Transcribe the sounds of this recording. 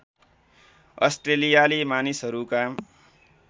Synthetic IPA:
ʌ̰sʈrelijalimanisɦʌɾukam

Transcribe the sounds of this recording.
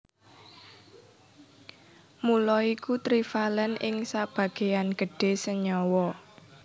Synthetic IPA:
mulɔikut̪ɾifalɛnɪŋsab̥ä̤ɡ̥e̤anɡ̥ə̤ɖ̥e̤səɲɔwɔ

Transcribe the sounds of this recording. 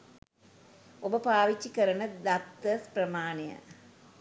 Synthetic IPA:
obəpaːʋit͡ʃːikəɾɐnəd̪at̪ːəsprɐmaːnejə̰

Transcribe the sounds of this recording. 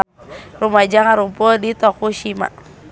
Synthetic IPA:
rumad͡ʒaŋaɾupɔdit̪ɔkuʃima̰

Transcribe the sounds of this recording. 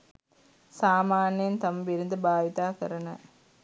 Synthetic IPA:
saːmaːnɐjnt̪ɐmbɪɾɯnd̪ɯbaːʋɪt̪aːkɐɾɐnɐ̰

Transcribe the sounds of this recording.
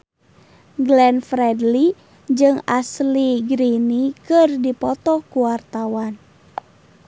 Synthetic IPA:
ɡlɛnfɾɛdli | d͡ʒɨŋasliɡɾinikɨrdipɔt̪ɔkuwart̪awan

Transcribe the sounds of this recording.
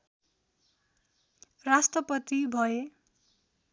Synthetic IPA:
rasʈrʌpʌt̪ibʱʌe

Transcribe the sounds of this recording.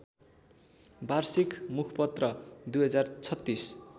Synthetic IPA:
barsikmukʰpʌt̪rʌd̪ujɦʌd͡zart͡sʰʌt̪ːis

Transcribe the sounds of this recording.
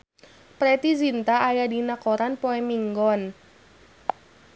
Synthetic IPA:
pɾɛt̪izint̪aʔːjadinakoɾanpoɛmiŋɡɔn

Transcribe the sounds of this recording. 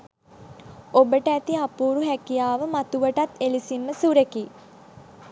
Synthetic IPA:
obəʈəæt̪iapuːɾuɦækijaːʋəmat̪uʋəʈat̪elisimːəsuɾeki

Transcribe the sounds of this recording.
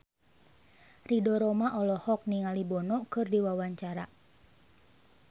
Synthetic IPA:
ridɔɾɔmaʔɔlɔhɔk̚niŋalibɔnɔkɨrdiwawaɲt͡ʃaɾa

